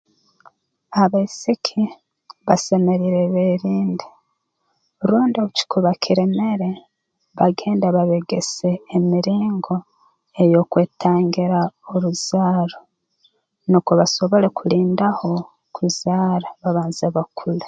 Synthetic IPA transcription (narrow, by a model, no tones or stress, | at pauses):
aβaisikʰi | βasemeɾiɾeβeɾiːndi̥ | ɾuːndioβuci̥kʰuβakʰiɾe̞me̞ɾe̞ | βaɡe̞ːndaβaβeɡe̞se̞ːmiɾiːŋɡo̞ | ejo̞kwe̞ːtʰaːŋɡiɾaoɾuz̥aːɾo | nukuβaso̞βo̞ɾe̞kuliːndaho̞ | kʰuzaːɾaβaβaːnzeβakʰule